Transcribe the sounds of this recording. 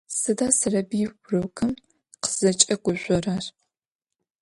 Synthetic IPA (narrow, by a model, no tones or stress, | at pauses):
sɨdaːsɨrɐbiːwʷʊrɐwkʰɨm | qə̥z̥ɐt͡ʃʼɐɡʷʊʒʷɔrar